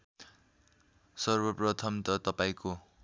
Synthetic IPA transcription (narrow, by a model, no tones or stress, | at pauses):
sʌrbʌprʌt̪ʰʌmt̪ʌt̪ʌpaĩko